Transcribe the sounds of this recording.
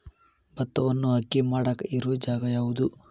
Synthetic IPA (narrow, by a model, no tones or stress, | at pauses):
bɐt̪ːɐʋɐnːuɦɐkːimaːɽɐkiɾud͡ʒaːɡɐjaːɡud̪u